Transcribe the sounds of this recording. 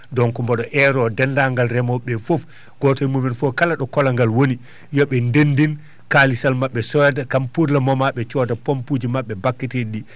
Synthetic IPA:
dɔnkumbɔɗɔʔɛɾɔdɛndaŋɡalɾɛmɔɓɛfof | ɡ̥ɔtɔjmumɛnfɔkalaɗɔkɔlaŋɡalwoni | jɔɓɛndendin | kalisalmaɓːɛsɔjatakampuɾlamɔmaɓɛt͡ʃɔːtapompud͡ʒimaɓːɛbakːitiɗi

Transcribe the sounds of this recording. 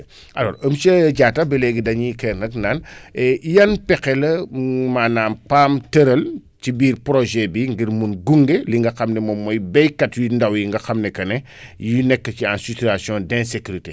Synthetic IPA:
ʔalɔ̰ːɾəmsɐɟaːtɐbɛlɛɡidɐɲikɛnɐknaːnɛjɐnpɛkɛlɐmaːnaːmpaːmtəɾɐlcibiːɾpɾoʒɛbiŋɡiɾmunɡuŋɡeliŋɡɐxɐmnɛmɔmːɔjbɛjkɐtjundawjiŋɡɐxɐmnɛkɐnɛ | jinɛkːəciãnsitiasjɔ̃dɛ̃nsekuɾite

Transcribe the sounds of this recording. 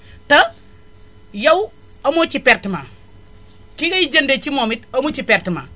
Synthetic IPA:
tɐ | jɐw | ɐmot͡ʃipeɾtima | kikɐjid͡ʒɐndet͡ʃimomitɐmut͡ʃipeɾtima

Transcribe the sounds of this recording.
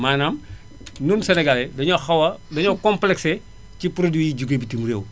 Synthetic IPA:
maːnam | nunseneɡaledɐɲoxɐwɐdɐɲokomplɛkse | cipɾodijiɟuɡebitimɾḛːw

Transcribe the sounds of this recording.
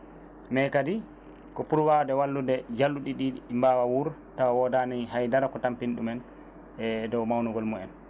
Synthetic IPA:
mɛkadi | kɔpuɾwawdɛwalːudɛd͡ʒalːuɗiɗimbawawuɾtawawɔdaniɦajdaɾakɔtampinɗumɛn | ɛdɔwmawnuɡɔlmɔɛ̰n

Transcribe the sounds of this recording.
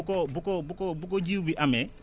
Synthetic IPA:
kɔbukɔbukɔbuk̬ɔd͡ʒiubiʔamɛ

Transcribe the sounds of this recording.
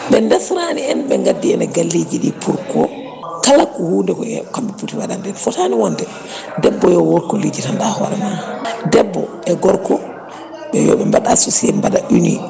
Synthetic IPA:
ɓɛndɛsɾaniɛnɓɛŋɡadːiɛnaɡalːid͡ʒiɗipʰuɾkɔ | kalakːɔhuːndɛkɔɛkambɛputiwaɗandɛnfɔtaniwɔndɛ | dɛbːɔjɔwɔɾkɔled͡ʒitandahɔ̰ɾɛnadɛbːɔ | ɛɡɔɾkɔ | ɓɛjɔ̰ɓɛmbaɗasusiɛmbaɗaʔunḭ

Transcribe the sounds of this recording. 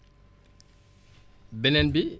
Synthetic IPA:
bɛnɛnbi

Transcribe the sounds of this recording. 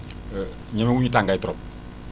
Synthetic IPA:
ɲɛmɛwuɲit̬aŋɡaitɔɾɔp̚

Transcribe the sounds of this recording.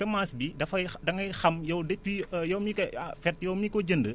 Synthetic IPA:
sɐmaːsbidɐfɐjdɐŋɐjxɐmjɐwdepːijɐwmikɐfɛrtjɛwmiːkɔɟəndə

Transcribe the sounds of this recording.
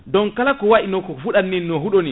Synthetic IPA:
dɔnkalakɔwaɗinɔkɔfuɗanːinɔɦuɗoni

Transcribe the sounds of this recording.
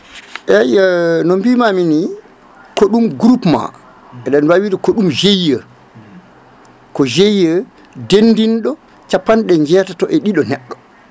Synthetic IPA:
ʔɛjanombimamini | koɗumɡɾupma̰ | ɛɗanwawiɾikoɗumd͡ʒejːə | kɔd͡ʒejːə | dendinɗɔ | t͡ʃapːanɗɛɲd͡ʒɛːtatɔʔɛɗiɗɔnɛɗːɔ

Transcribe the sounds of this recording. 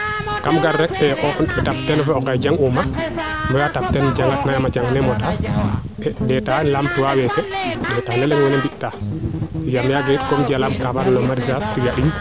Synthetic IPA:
kamɡaɾːɛk̚tɛʔɔɛtap̚tɛlfɛɔkajd͡ʒaŋuma | mujatap̚tɛnd͡ʒaŋɡatnajamad͡ʒaŋnɛmɔta | ɛdɛtanlamtiwawɛtɛɗɛtaːnɛlɛŋmɛnambiʔta | jamjaɡait̚kɔmd͡ʒalamkabaɾnɔmaɾisastiɡaɗiɲ

